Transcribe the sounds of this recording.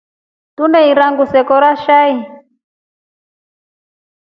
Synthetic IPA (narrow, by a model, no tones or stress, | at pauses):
tunɛiɾaŋɡusɛkɔɾaʃai